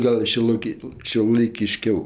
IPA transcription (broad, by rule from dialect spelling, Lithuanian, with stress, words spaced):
ˈɡɐlˠ ʃʲuɔˈlˠɐɪkʲɪ ʃʲuɔlˠɐɪkʲɪˈʃʲkʲɛʊ